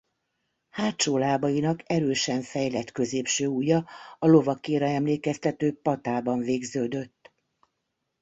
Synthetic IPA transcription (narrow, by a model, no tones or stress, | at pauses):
haːtt͡ʃoːlaːbɒjinɒkɛɾøːʃɛɱfɛjlɛt̪kø̞zeːpʃøːujɒɒlo̞vɒkeːɾɛɛmleːkɛst̪ɛt̪øːpɒt̪aːbɒɱveːɡzøːd̪ø̞t̪ː